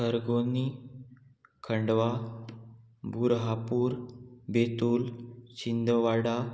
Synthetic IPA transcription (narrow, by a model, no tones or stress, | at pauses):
əɾɡoni | kʰəɳɖʋa | bʱuɾɦapuːɾbet̪uːlt͡ɕind̪ʱəʋaɽa